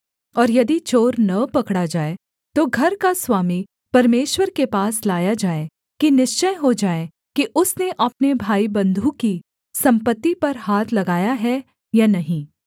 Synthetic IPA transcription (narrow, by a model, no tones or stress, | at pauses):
ɔːɾjɐd̪it͡ʃoːɾnɐpɐkɽad͡ʒaːe | t̪oɡʱɐɾkaswaːmi | pɐɾmeːʃwəɾkepaːslaːjad͡ʒaːe | kinɪʃt͡ʃəjɦod͡ʒaːe | kiʔʊsneʔɐp̚nebʱaːibɐ̃nd̪ʱuki | sɐ̃mpət̪ːipɐɾɦaːt̪ʰlɐɡaːjaɦɛ | janɐɦĩː